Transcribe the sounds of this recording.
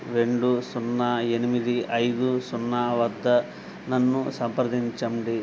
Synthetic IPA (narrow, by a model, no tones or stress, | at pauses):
ɾe̞ɳɖusunːae̞nimid̪iɐjd̪usunːaʋɐd̪ʱːɐ | nɐnːusɐmpɐɾd̪iɲt͡ʃɐmɖi